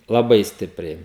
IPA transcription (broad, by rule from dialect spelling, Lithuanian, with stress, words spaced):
lˠɐˈbɐɪ ˈsʲtʲɪpʲrʲɛɪ